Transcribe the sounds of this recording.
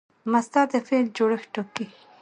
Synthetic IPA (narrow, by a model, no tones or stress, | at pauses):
mast̪ad̪əfeld͡ʒoɽəxʈoki